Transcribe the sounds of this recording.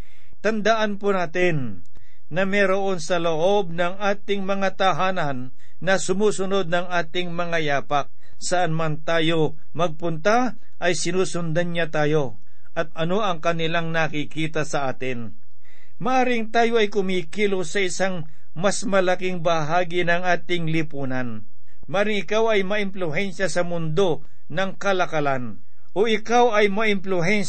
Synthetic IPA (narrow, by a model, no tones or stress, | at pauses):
t̪ɐnd̪ɐʔanpʊnaːt̪ɪnː | ɐmɛːɾoʔo̞nsɐloʔo̞b̚nɐŋʔaːt̪ɪŋmɐŋat̪ɐɦaːnɐnː | ɐsʊmuːsʊno̞d̪̚nɐŋaːt̪ɪŋmɐŋajaːpɐk̚ | sɐʔanmant̪aːjo̞ | mɐɡ̚pʊnt̪a | ʔɐjsɪnuːsʊnd̪ɐnɲat̪aːjo̞ | ʔɐt̪̚ɐno̞ɐŋkɐnɪlaŋnɐkɪkiːt̪ɐsɐʔaːt̪ɪn | mɐʔaːɾɪŋt̪aːjo̞ɐjkʊmiːkiːlosɐɪsaŋ | masmɐlɐkɪŋbɐɦaːɡɪnɐŋʔaːt̪ɪŋlɪpuːnɐn | mɐʔaːɾɪŋɪkawɐjmɐʔɪmplʊɦɛnʃɐsɐmʊnd̪o̞ | nɐŋkɐlɐkɐlan | ʔoʔɪkawɐjmɐʔɪmplʊɦɛn